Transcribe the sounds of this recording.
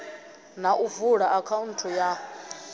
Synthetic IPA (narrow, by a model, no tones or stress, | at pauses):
naʔuvuɺaʔakʰauntʰɔja